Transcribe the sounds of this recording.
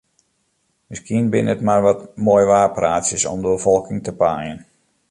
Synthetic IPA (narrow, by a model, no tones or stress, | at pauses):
mɪskiənbɪnətmarʋɔtmoːjʋaːrpraːtsjəsɔ̰mdəbəfɔlˠkɪŋtəpaːjən